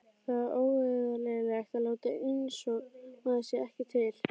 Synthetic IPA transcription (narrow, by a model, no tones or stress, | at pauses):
θaðoːwveðalɛɣlɛxt̪aloːwt̪aensɔɣmaðasjɛɛhcɪt̪ʰɪl̥